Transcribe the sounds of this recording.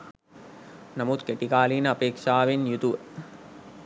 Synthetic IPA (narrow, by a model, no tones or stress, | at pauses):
namut̪keʈikaːlinəɐpeːkʂaːʋenjut̪uʋə